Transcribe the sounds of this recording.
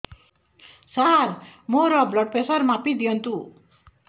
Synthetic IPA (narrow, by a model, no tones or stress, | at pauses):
sarmoɾʌblʌɖ̚pesʌrmapid̪iʌnt̪u